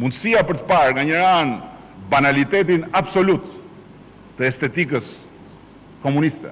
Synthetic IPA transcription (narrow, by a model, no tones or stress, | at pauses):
mund̪əsiapəɾt̪ə̥paɾɡaɲəɾan | banalit̪ɛt̪inabsɔlut̪ː | əɛst̪ɛt̪ik̬əs | kɔmunist̪ɛ̰